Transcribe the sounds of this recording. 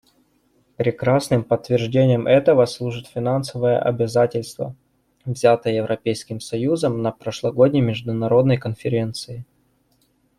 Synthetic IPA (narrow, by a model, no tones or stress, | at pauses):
pɾʲɪkɾasnɨmpət̪ːvʲɪrʐdʲenʲɪjəmʔɛt̪əvəslˠuʐɨt̪fʲɪnansəvəjə̰ʔɐ̰bʲɪzatʲɪlʲst̪və̰ | vzʲat̪əjəjɪvɾʔɐpʲejskʲɪmsɐjuzəmnəpɾəʂlˠɐɡo̞dʲnʲɪjmʲɪʐd̪ʊnɐɾo̞d̪nəjkənfʲɪɾʲe̞nt̪sɨɪ